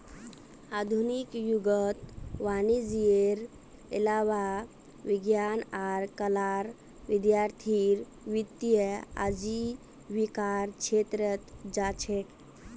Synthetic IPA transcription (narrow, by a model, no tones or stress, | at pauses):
ad̪ʱunikjuɡət̪ʋanid͡ʒieɾ | ḭlaʋa | ʋiɡjanaɾkəlaɾ | ʋid̪jaɾt̪ʰiɾ | ʋit̪ijəa̰d͡ʒi | ʋikaɾkʃʰet̪ɾət̪d͡ʒat͡ʃʰek̪